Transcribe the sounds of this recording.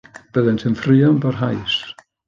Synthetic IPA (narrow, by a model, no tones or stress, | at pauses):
b̥əðɛntʰɨnfrɨɔnbarɦajs